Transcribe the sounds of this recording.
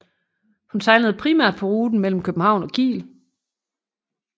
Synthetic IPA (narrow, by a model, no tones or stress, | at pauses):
hunt͡sʰɑ̈ɪnəð̞̩ˠpʰʁimæɐ̰d̥̚pʰɒ̽ʁuːd̥n̩mel̰m̩kʰøb̥m̩hɑ̈ʊ̰nɒ̽ɡ̥ḭːl